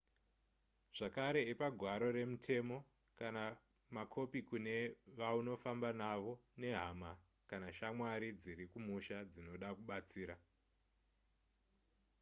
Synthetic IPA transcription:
ʐ̥akaɾe̞ːpaɡʱwaɾo̞ɾe̞mutʰe̞mo̞ | kana | makʰo̞pikune̞ʋauno̞fambanaʋo̞ne̞ɦama | kanaʃamwaɾid͡ziɾikumuʃad͡zino̞ɗakuɓat͡siːɾa

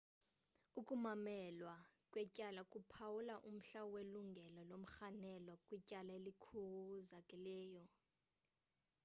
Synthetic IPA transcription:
ukʼumamɛlwakʼwɛcʼalakʼupʰawulaʔum̩ɬaɔweluŋɡʱɛlɔlom̩xanɛlɔkʼwicʼalaelikʰuwuzakʼilɛːjɔ

